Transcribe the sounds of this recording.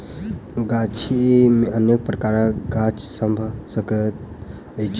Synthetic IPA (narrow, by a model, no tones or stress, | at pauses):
ɡat͡ʃʰimeənjək̚pɾəkaɾəɡat͡ʃsəmbʱəsəkət̪̚ | ət͡ʃʰ